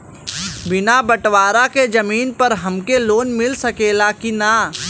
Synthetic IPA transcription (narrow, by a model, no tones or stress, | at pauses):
bɪnabəʈwaːɾaked͡ʒɐmiːnpəɾɦɐmkeloːnmɪlsɐkeːlakina